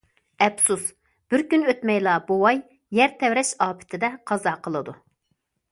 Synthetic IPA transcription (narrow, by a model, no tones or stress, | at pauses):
ɛpsus | b̥ɪɾkʲynøt̪mɛjlˠɑbowɑj | jæɾt̪ʰɛwɾɛʃɑːpʰɪ̥t̪ʰɪd̪ɛqʰɑzɑqʰəlˠɨd̪u